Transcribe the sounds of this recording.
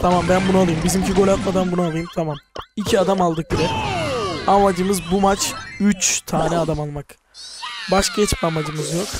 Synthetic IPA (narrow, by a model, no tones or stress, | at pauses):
t̪ʰamambænbunualˠɯjɯmbizimcʰiɡo̞lʲat̪mad̪anbunualˠɯjɯmt̪ʰamamicʰiad̪amalˠd̪ɯklˠaɾɯ | amad͡ʒɯmɯzbumat͡ʃyt͡ʃt̪ʰaːnɛad̪amalˠmak | baʃɟɛt͡ʃʰpamad͡ʒɯmɯzjok